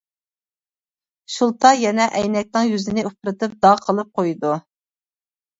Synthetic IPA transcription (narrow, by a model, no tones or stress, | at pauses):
ʃulˠt̪ʰɑjɛnɛʔɛjnɛk̚ʲnɨŋjyzɪnɪupɾɨt̪ɨp̚d̪ɑqʰəlˠɨp̚qʰojd̪u